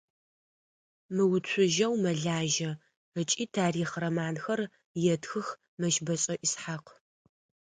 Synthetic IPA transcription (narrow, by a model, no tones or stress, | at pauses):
mɨwʊt͡ɕʷʰʊʒɐwmɐɮaːʒɐ | ət͡ʃʼiːtʰaːriːχɾɐmaːnxɐr | jɛtxɨx | mɐʃbɐɕʼɐʔɪsħaq